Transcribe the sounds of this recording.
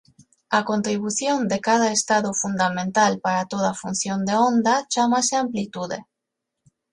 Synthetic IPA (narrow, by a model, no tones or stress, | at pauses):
akont̪ɾiβuθjond̪ekað̞aest̪aðofund̪amẽnt̪alpaɾat̪oð̞afun̟θjond̪eond̪at͡ʃamaseamplit̪uðḛ